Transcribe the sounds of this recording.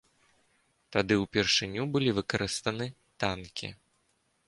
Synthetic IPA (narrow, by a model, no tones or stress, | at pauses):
t̪ad̪ɨwpʲɛrʂɨnʲubɨlʲivɨkɐɾɨst̪ɐnɨ | t̪ankʲḭ